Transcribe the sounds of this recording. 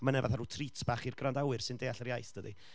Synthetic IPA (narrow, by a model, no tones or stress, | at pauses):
manɛva̰θaɾuːtʰritʰb̥aːχirɡrandawɨrsɪndejaɬərjajθd̥ədi